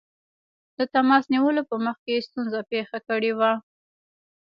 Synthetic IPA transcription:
d̪̥ət̪amɑsniwəlopəməxkejest̪unzapexakəɽewa

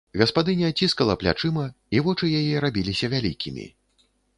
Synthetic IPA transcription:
ɣɐspad̪ɨnʲɐt͡sʲiskɐlˠɐplʲa̰t͡ʂɨmɐ | ivɔt͡ʂɨjajɛɾabʲilʲisʲɐvʲalʲḭkʲʰimʲḭ

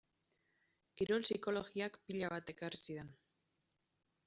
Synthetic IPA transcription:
kiɾo̞lsiko̞lo̞ɣiakpiʎaβ̞at̪e̞karisiðe̞n

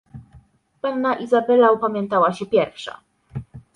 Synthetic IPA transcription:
panːaʔizabɛlaɔpamʲjɛnt̪awaɕɛpʲjɛɾfʂa̰

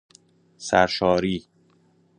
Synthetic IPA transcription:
sæɾʃɒːɾiː

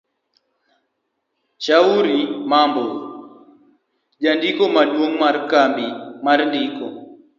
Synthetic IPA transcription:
t͡ʃauɾimambɔ | ʄandikɔmaɗwoŋmaɾkambimaɾndɪkɔ

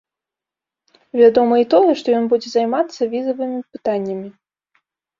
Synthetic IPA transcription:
vʲad̪ɔmɐit̪ɔjɛʂt̪ɔjɔnbud͡zʲɛzajmat̪sːɐvʲizɐvɨmʲipɨt̪anʲːɐmʲi

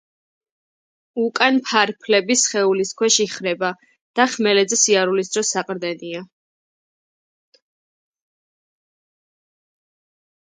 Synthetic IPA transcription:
ukʼanpʰaɾpʰlɛbisχɛuliskʰwɛʃiχɾɛba | d̪̥aχmɛlɛd̪zɛsiaɾulis̬d̪ɾɔsːaqʼɾd̪ɛnia

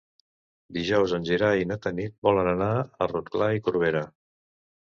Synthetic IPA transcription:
d̪iʒɔwzənʲʒiɾainət̪ənit̪̚bɔlənənaərut̪klaikuɾβeɾə

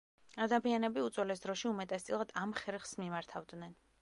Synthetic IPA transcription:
ad̪amianɛbiut̪sʼwɛlɛsd̪ɾɔʃiumɛt̪ʼɛst̪sʼilˠad̪amχɛɾχsmimaɾt̪ʰavd̪nɛn

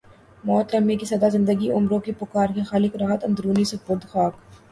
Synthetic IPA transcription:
mɔːt̪ɾɐmikisɐd̪azɪ̃nd̪əɡiʊmɾõkipʊkaːɾkexaːlɪkɾaːɦət̪ɐnd̪ɾuːnisʊpʊd̪xaːk

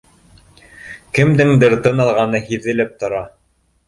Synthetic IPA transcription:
kɘ̆md̪ɘŋd̪ɘɾt̪ɤnɑlˠʁɑnɤhiðɘ̆lɘp̚t̪ŏɾɑ

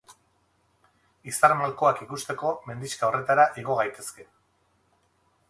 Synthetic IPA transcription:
isaɾmalko̞akikust̪e̞ko̞me̞nd̪iskao̞re̞t̪aɾaʔiɣ̞o̞ɣajt̪e̞ske̞

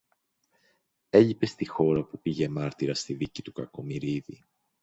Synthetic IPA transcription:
e̞ʎipe̞st̪ixo̞ɾɐpupiʝe̞mɐɾt̪iɾɐst̪iðicit̪ukɐko̞miɾiðḭ

